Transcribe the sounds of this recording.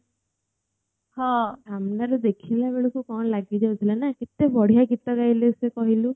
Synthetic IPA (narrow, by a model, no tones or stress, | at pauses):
hɔ̃amnaɾud̪ekʰilabeɭukukɔɳlaɡid̪eot̪ʰilanakit̪ebɔɽ̤ijakit̪ɔɡajlesekɔɦilu